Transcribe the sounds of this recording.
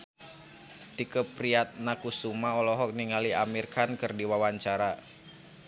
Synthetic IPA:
t̪ikəpɾiat̪̚nakusumaɔlɔɦɔk̚niŋaliamirkankɨrdiwawaɲt͡ʃaɾa

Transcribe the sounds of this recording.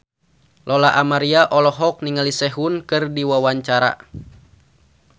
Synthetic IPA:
lɔlaʔamaɾiaʔɔlɔɦɔk̚niŋalisɛɦunkɨrdiwawaɲt͡ʃaɾa̰

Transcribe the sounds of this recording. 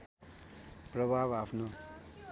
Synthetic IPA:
prʌbʱabapʰno

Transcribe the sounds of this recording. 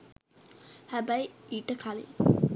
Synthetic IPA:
hæbæjiʈəkʰalḭ

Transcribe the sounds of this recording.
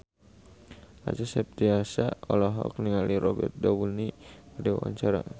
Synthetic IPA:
a̰t͡ʃasɛp̚t̪iasaɔlɔɦɔ̰k̚niŋaliɾɔbɛ̰rt̪̚dawunidiwa̰wa̰ɲt͡ʃaɾa

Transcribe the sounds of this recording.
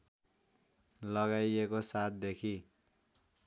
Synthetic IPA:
lʌɡajekosat̪̚ʰd̪ekʰi

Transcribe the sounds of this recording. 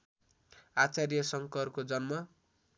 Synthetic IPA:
at͡sarjʌsʌŋkʌrkod͡zʌnmʌ

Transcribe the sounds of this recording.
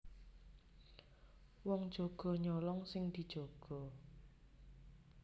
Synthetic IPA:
wɔŋd̥ʒ̥oɡ̥ɔ̤ɲɔlɔŋsɪŋd̪̥i̤d̥ʒ̥oɡ̥ɔ̤

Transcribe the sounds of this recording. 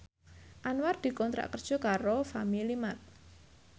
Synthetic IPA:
ʔanward̪̥i̤kɔnt̪ɾa̰ʔkərd̥ʒ̥ɔ̤kaɾofamilimat̪̚

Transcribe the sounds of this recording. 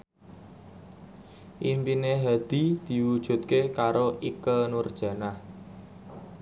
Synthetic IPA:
ʔimpineɦad̪̥i̤d̪̥i̤wud̥ʒ̥ṳt̪̚kekaɾoʔikənurd̥ʒ̥ä̤nah

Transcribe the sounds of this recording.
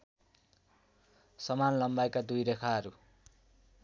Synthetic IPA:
sʌmanlʌmbajkad̪ujɾekʰaɦʌɾu

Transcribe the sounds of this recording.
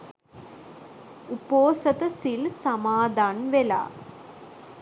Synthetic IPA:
upoːsɐt̪ɐsilsɐmaːd̪ʱaːnʋela̰ː

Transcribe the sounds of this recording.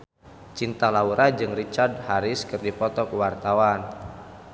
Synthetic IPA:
t͡ʃint̪alauɾad͡ʒɨŋrit͡ʃardhaɾɪskɨrdipɔt̪ɔkuwart̪awan

